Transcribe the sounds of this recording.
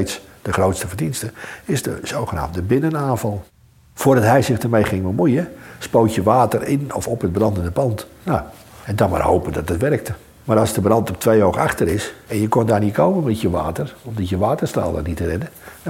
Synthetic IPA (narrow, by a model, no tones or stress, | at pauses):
sd̥əχrowtstəfərdinstəɪsdə̰sowχəna̰ːmdəbɪnənaːnfɑlˠ | fʊːədɑtɦɛjsɪxdərmejχɪŋbəmujəspowtjəʋaːtərɪnɔfɔpɦəd̚brɑndəndəpɑntnoɛndɔma̰rhoːpəədɔtətʋɛrk̚tə | maːɾɑlˠsdəbrɑntɔp̚tʰʋejowxaxtəɾɪsɛnjəkɔndaːrnitkʰowmənmɛtjəʋa̰ːtərɔmdɔtjəʋaːtərsta̰ːlˠda̰nitərɛdə